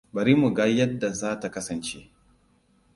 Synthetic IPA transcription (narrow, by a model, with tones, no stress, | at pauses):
bɐ˨ɾi˦mu˨ɡa˦jɐ˦dːa˨zaː˦ta˨kɐ˦sɐ˨nt͡ʃḛ˦ʔ